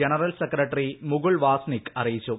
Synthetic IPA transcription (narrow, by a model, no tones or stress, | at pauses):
eɳɐrɐlsekrɐʈːrimʊɡuɭʋaːsnikɐrijit͡ɕːu